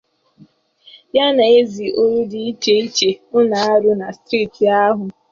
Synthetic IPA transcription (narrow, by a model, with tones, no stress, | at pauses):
ja˦na˨e˦zi˨ʔo˦ɾu˦di˨i˦te˨i˦t͡ʃe˨ʊ˦na˨a˦ɾʊ˦na˨stɾiː˦˨ti˨a˦ɦʊ˨